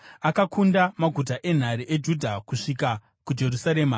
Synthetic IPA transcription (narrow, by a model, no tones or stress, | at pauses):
akakʰundamaɡʱut̬aʔe̞n̤aɾiʔed͡ʒudʱakuʂika | kud͡ʒe̞ɾusaɾeːma